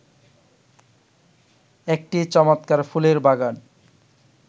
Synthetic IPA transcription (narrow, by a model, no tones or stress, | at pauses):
ek̚ʈit͡ɕɔmat̪kaɾfuleɾbaɡan